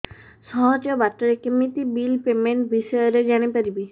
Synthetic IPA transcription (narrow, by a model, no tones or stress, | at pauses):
sɔɦɔd͡ʒjɔbatɔɾekemit̪ibilpemeɳʈbʱisɔjɔɾed͡ʒaɽ̃ipaɾibi